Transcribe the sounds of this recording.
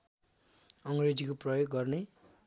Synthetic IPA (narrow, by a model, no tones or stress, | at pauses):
ʌŋred͡zikoprʌjoɡːʌrne